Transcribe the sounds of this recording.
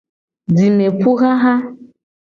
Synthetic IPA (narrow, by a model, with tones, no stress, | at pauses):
di˨me˨pu˦ɣa˦ɦa˦